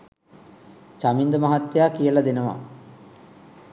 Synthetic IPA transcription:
t͡ʃamind̪əmaɦat̪ːejakijəlad̪enəʋa̰

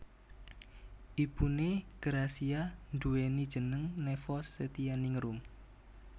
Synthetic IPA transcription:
ʔib̥uneɡ̥əɾasianduwenid̥ʒ̥ə̤nəŋnɛfɔsːət̪ianiŋɾum

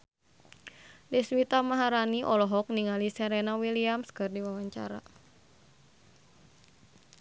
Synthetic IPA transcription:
diswit̪amaɦaɾaniʔɔlɔɦɔk̚niŋalisɛɾɛnawiliamskɨrdiwawaɲt͡ʃa̰ɾa̰

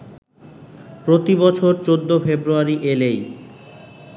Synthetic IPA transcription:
pɾot̪ibɔt͡ɕʰoɾt͡ɕod̪ːofebɾuaɾiʔelej

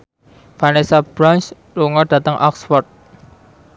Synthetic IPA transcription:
fanesab̥ɾans | luŋɔd̥ä̤t̪əŋʔɔ̰ksfɔrt̪̚

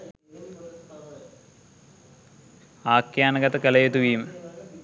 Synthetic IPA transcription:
aːkjaːnɐɡɐt̪ːɐkɐlɐjet̪ːuʋiːm

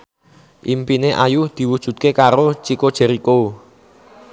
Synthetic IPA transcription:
ʔimpineʔajuhd̪̥i̤wud̥ʒ̥ṳd̪̚kekaɾot͡ʃikod̥ʒ̥ɛ̤ɾiko

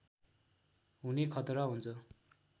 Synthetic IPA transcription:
ɦunekʰʌt̪ɾʌɦunt͡sʰʌ

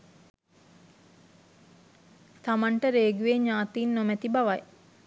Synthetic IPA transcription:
t̪amaɳʈəɾeːɡuʋeɲaːt̪iːnːomæt̪ibaʋaj

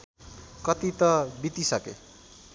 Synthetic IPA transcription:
kʌt̪it̪ʌbit̪isʌkḛ

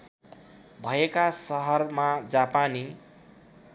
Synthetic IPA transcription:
bʱʌekasʌɦʌrmad͡zapani

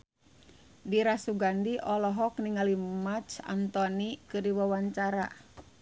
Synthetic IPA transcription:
diɾasuɡandiʔɔlɔɦɔkniŋalimat͡ʃa̰nt̪ɔnikɨrdiwawaɲt͡ʃaɾa̰

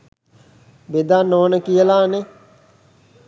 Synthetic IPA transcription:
bed̪anːoːənəkijəlaːne

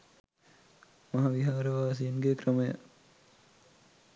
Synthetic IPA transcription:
mɐɦɐʋiɦaːɾəʋaːs̬ijenɡekrəməja̰

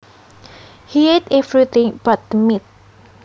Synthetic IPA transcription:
hiedɛvɹit̪ĩŋb̥at̪̚dəmit̪̚

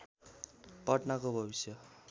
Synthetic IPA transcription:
pʌʈnakobʱʌbisjʌ

